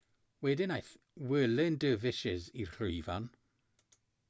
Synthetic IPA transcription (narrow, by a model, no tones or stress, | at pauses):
wɛdɪnajθ | wɛːlɪndəːvɪʃɪzirχrujvan